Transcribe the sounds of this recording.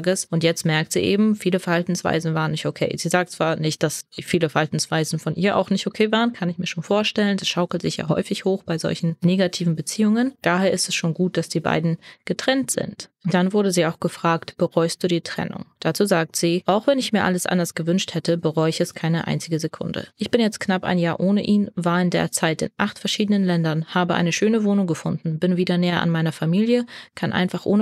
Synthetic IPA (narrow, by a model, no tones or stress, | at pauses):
ɡəsʔʊntjɛt͡stmɛɐk̚tz̥ḭːʔḛːbm̩fiːləfɛɐhaltn̩sv̥a̰ɪzn̩vaːʁənɪçtokʰḛːz̥iːzaːk̚tt͡sv̥aːɐnɪçt̚d̥asfiːləfɛɐhaltn̩sv̥aɪzn̩fɔnʔiːɐʔa̰ʊxnɪçtokʰeːvaːʁənkʰanɪçmiːɐʃoːnfoːɐʃtɛləndasʃaʊkl̩tz̥ɪçja̰ːɦɔ̰ʏfɪçhoːxb̥aɪzɔ̰lçn̩neːɡatʰiːvn̩bət͡siːʊŋənd̥aːheːɐʔɪstɛsʃoːnɡuːt̚d̥asd̥iːba̰ɪdn̩ɡ̥ətʁ̥ɛntz̥ɪ̰ntd̥anvʊɐdəziːaʊxɡ̥əfʁ̥aːktb̥əʁɔʏst̚d̥uːdiːtʁ̥ɛ̰nʊ̰ŋd̥at͡suːzaːk̚tz̥iːʔaʊxv̥ɛnɪçmiːɐʔa̰ləsʔa̰ndɐsɡ̥əvʏnʃthɛtəbəʁɔʏɪçɛskʰaɪnəʔa̰ɪnt͡sɪɡəzekʰʊ̰ndə̰ʔɪçb̥ɪnjɛt͡st̚knapa̰ɪnjaːɐʔoːnəʔiːnvaːɐɪndḛːɐt͡saɪtɪ̰nʔaχtfɛɐʃiːdənənlɛndɐnhaːbəʔa̰ɪnəʃøːnəvoːnʊŋɡəfʊndn̩bɪnviːdɐnɛːɐʔa̰nmaɪnɐfamiːljəkʰanʔa̰ɪnfaχʔoːnə